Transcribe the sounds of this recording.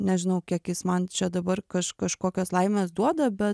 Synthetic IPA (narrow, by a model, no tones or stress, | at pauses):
nʲɛʒʲɪnɐʊkʲiɛkjɪsmɐnt͡ʃʲɛd̪ɐbɐrkɐʃkɐʃkoːkʲoːslˠɐɪmʲeːsd̪uɔd̪ɐbʲɛ